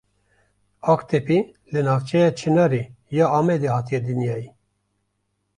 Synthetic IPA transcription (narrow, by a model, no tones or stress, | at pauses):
ɑːkt̪epilɨnɑːft͡ʃʰɛjɑt͡ʃʰɨnɑɾi | jɑːɑːmɛd̪ehɑːt̪ijɛd̪ɨnjɑːji